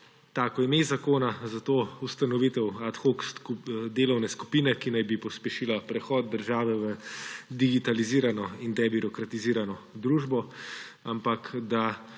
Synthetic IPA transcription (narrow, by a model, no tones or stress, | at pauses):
t̪aːkɔjimezakoːnazat̪oːust̪anɔʋit̪ɛwat̪xokskud̪eːlɔwnɛsku̥piːnɛkinajbipɔspjɛʃiːlapɾɛxɔːd̪̚d̪əɾʒaːʋɛʋəd̪iɡit̪aliziːɾanɔind̪ɛbiɾɔkɾat̪iziːɾanɔd̪ɾuːʒbɔ | ampakd̪a